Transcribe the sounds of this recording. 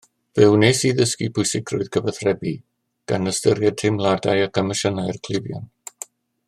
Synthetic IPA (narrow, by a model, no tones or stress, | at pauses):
vɪwneːsiðəskipʰʊɨsɪkʰrʊɨðkʰəvəθrɛbi | ɡ̥anəstəɾjad̚tʰemlˠadajakʰaməʃənajrkʰl̥ˠɪvjɔ̰n